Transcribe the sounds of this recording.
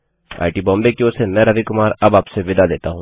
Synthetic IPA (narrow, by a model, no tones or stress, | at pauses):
a̰ːɪʈiːbɔ̃ːmbekioːsenɛɾɐʋikʊmaːɾɐbaːpseʋɪd̪aleːt̪aɦũː